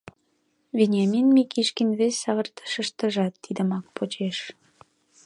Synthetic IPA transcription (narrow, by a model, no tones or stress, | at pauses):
vʲenʲɑminmikʰiʃkinβesʲːɑβərt̪ə̥ʃəʃt̪əʒɑt̪ːid̪əmɑk̚pot͡ɕeʃ